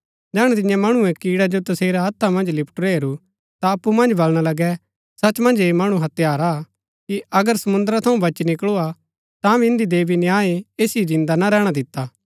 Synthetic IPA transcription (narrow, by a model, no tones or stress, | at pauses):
d͡ʒɛːɽ̃t̪ɪjãmɐɽ̃uɛ̃kiːɽad͡ʒot̪ɐseːɾaɦɐt̪ʰːamɐ̃nd͡ʒlɪpʈɾeːɾu | t̪aɐpːumɐ̃nd͡ʒbɐlɽ̃alɐɡɛ | sɐt͡ʃmɐ̃nd͡ʒeːmɐɽ̃uɦɐt̪jaːɾa | kiɐɡəɾsɐmʊ̃nd̪əɾat̪ʰɐ̃ũbɐt͡ʃnɪkɭua | t̪ãbiɪ̃nd̪id̪eːbinjaːieːsid͡ʒɪ̃nd̪anaɾɛːɽ̃ad̪ɪt̪ːaː